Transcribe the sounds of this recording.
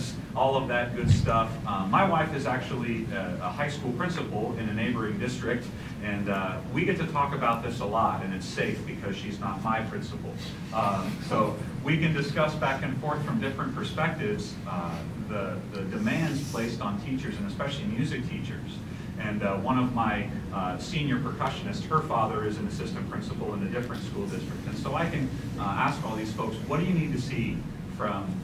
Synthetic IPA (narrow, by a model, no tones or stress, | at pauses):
s | ʔɔlˠʌvðɨt̚ɡ̥ʊd̥stʌfmaɪwaɪfɨzæk̚t͡ʃul̩ˠiəhaɪskulˠpʰɹ̥ɪ̃nsəpl̩ˠɪ̃nɨneɪbə˞ɪ̃ŋdɪstɹ̥ɪk̚t | ɨ̃n | wiɡɛtʰɨtʰɔkɨbaʊt̪̚ðɪsəlɔɾɨ̃nɨtseɪfb̥ɨkʰʌz̥ʃiznət̚maɪpʰɹ̥ɪ̃nsəpl̩ˠ | soʊ | wikɨ̃ndɨskʌsb̥ækɨ̃nfɔɹθfɹʌ̃mdɪfɹɨ̃npʰə˞spɛk̚tɪvz̥ | ðɨðɨdɨmæ̃ndz̥pʰl̥eɪstn̩tʰit͡ʃə˞zɨ̃nɨspɛʃl̩ˠimjʉzɨk̚tʰit͡ʃə˞z̥ | ɨ̃nwʌ̃ñʌvmaɪ | sĩnjə˞pʰɹ̥ɨkʰʌʃɨ̃nɨst̚hə˞fɑðə˞ɨzɨ̃nɨsɪstɨ̃npʰɹ̥ɪ̃nsəpl̩ˠə̃nðɨdɪfɹɨ̃ntskulˠdɪstɹ̥ɨk̚tɨ̃nsoʊaɪkɨ̃n | æskɔlˠðiz̥foʊkswʌt̚d̥ɨjɨnid̚tɨsi | fɹʌ̃m